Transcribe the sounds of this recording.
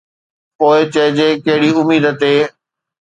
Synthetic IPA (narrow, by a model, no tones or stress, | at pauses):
poːɪt͡ɕɐɦɪd͡ʑeːkɐɦɪɽiʊmiːd̪t̪eː